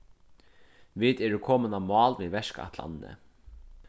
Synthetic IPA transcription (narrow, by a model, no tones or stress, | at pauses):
ʋiːt̪ɛːɾɪkʰɔːmənamɑːlviʋɛʂka̰ht̪la̰nnə̰